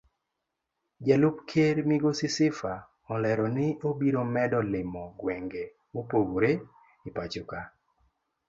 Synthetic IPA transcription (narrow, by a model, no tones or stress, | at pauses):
d͡ʒɛlʊpkʰeɾmiɡosɪsɪfa | ɔlɛɾɔnɪʔobiɾomɛdɔlɪmɔɡwɛŋɡe | wopoɡoɾe | ipat͡ʃʊka